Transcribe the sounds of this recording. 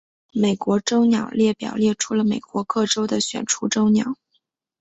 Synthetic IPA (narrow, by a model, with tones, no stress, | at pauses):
me˨˩ɪkwɔ˧˥ʈ͡ʂo˥ʊnjɑ˨˩ʊljɛ˥˩pjɑ̰˨˩ʊljɛ˥˩ʈ͡ʂʰu˥lə˨me˨˩ɪkwɔ˧˥kɤ˥˩ʈ͡ʂo˥ʊd̪ə˨ɕɥɛ̰˨˩nʈ͡ʂʰu˧˥ʈ͡ʂo˥ʊnjɑ̰˨˩˦ʊ